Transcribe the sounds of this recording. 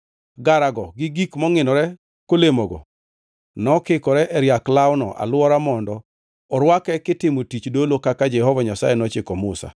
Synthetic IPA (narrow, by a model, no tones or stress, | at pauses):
ɡaɾaɡɔɡɪɡikmɔŋɪnɔɾɛ | kolemoɡɔ̰ | nɔkɪkɔɾɛʔɛɾjaklaʊnɔʔa̰lwɔɾamɔndɔ | ɔɾwakɛkɪtɪmotit͡ʃdolokakad͡ʒɛhɔvaɲasa̰jɛnɔt͡ʃɪkɔmʊsa̰